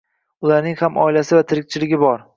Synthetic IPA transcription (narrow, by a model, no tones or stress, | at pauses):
ʊlaɾnɪŋhamʔɒ̰ɪlasɪvat̪ʰɪɾɪk̚ʲt͡ʃʰɪlɪɡʲɪbɒɾ